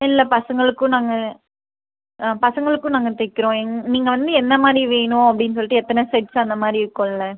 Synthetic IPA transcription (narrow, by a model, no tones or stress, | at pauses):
ɪlːɐpɐsɐŋɡɐɭɯkːɯʊ̃naːŋɡɐ | pɐsɐŋɡɐɭɯkːʊ̃naːŋɡɐt̪ɛkːɪɾõːɛŋniːŋɡɐʋɐnd̪ɯɛnd̪ɐmaːd̪ɾiʋeːɳʊ̃ɐpːɐɽɪnːɯs̬ɔlːiʈːɯɛt̪ːɐnɐsɛʈsɐnd̪ɐmaːd̪ɾiɾɯkːõːlːɐ